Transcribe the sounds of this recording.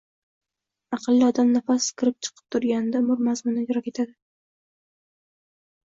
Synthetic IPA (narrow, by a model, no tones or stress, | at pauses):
ɑqɨlˠːɪɒd̪amnafaskʲʰɪɾɪp̚t͡ʃʰɨ̥qʰɨ̥p̚t̪ʰʊɾɡʲanɪd̪amʊɾmazmʊnajɾɒkʲe̞t̪ʰad̪ɪ